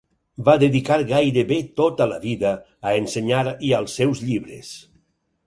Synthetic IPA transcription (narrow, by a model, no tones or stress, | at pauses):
baðeðikaɾɣajɾeβet̪ot̪ələ̰βiðəː | enseɲaɾiəlˠsːɛwzʎiβɾes